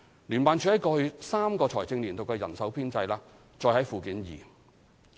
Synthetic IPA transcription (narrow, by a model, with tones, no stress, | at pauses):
lyː˨˩npaː˨˧nt͡ʃʰyː˨˧˥hɐ˨˥jkɔː˧hɵ˧saː˥mkɔː˧t͡sʰɔː˨˩jt͡sɪ˧ŋliː˨˩nt̪o˨wkɛː˧jɐ̰˨˩nsɐ˨˥wpʰiː˥nt͡sɐ˧jlaː˧ | t͡ʃɔː˧jhɐ˨˥jfuː˨˧kiː˨˥njḭː˨˩